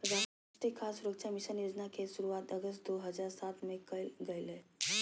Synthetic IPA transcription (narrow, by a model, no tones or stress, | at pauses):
pɾəd͡za | ʈ̪ekʰːasuɾəkʂamiʃənjod͡ʒnakesuɾuat̪əɡəst̪d̪oɦəd͡zaɾsat̪mẽkəɡəjle